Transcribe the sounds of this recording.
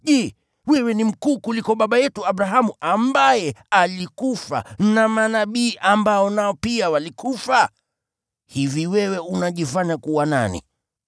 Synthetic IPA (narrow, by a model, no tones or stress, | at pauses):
ʄɛː | wɛwɛnim̩kuːkulikɔɓaɓajɛtuaɓɾaɦamuʔambajɛalikufa̰namanaɓiːʔambaɔnaɔpiawalikʰufa | hiviwɛwɛunaʄifaɲakuwana̰nḭ